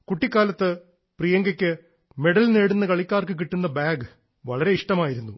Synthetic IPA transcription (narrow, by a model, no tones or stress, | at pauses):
kuʈːikʲːaːlɐt̪ːɨ | prijɐŋɡɐkʲːɨ | me̞ɽɐlneːɽunːɐkɐɭikʲːaːrkɨk̬iʈːunːɐbaːɡ | ʋɐɭɐɾe̞iʂʈɐmaːjiɾunːu